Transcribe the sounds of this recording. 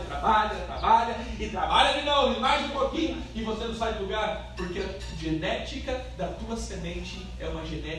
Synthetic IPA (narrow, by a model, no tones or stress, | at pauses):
t̪ɾabaʎɐt̪ɾa̰baʎɐɪt̪ɾabaʎɐmĩnɐ̃w̃ĩmazɪ̃ũpokĩɲʊ | ɪvosenɐ̃w̃sabluɡaɾ | poɾkeɐ | ʒenɛt͡ʃikɐd̪ɐt̪uɐsemẽnt͡ʃɪ | ɛũmɐʒenɛ